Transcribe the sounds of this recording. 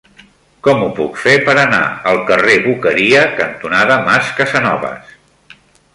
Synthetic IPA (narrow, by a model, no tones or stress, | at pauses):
kɔmupukfepəɾəna̰əlˠkəreβukəɾiəkənt̪unaðəmaskəzənɔβə̰s